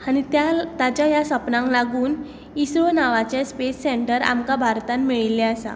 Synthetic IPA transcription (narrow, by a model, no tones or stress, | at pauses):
aɽ̃it̪jat̪at͡ɕjajasəpnãŋklaɡuːn | isɾonaʋat͡ɕespesːeɳʈəɾa̰mkabʱaɾt̪anmiɭilːɛasa̰